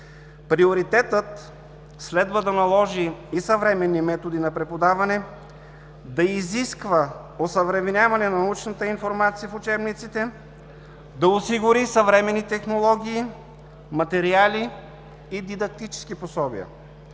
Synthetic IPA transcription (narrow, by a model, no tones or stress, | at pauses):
pɾioɾit̪ɛt̪ət̪ | slɛd̪vəd̪ɐnɐlˠɔʒiisɐvɾɛmɛnːimɛt̪od̪inɐpɾɛpod̪avɐnɛ | d̪ɐiziskvə | osəvɾɛvnʲjavɐnɛnɐnɐut͡ʃnət̪əinfoɾmat̪sijəfʊt͡ʃɛbnit̪sit̪ɛ | d̪ɐosiɡʊɾisɐvɾɛmɛnːit̪ɛxnolˠɔɡʲiː | mɐt̪ɛɾialiː | d̪id̪ɐk̚t̪it͡ʃɛ̥sk̟iposɔbḭə̰